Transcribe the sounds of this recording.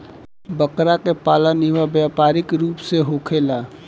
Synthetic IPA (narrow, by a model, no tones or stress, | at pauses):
bəkɾakepaːləniʋabjapaɾɪkɾuːpseɦokʰela